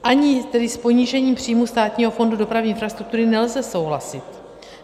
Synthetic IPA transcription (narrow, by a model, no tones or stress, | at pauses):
ʔaɲɪt̪ɛdɪspo̞ɲiːʒɛɲiːmpr̝̥iːmust̪aːt̪ɲiːɦo̞fo̞ndudo̞pɾaviʔɪnfɾast̪ɾuk̚t̪uɾɪnɛlzɛso̞wɦlasɪt̪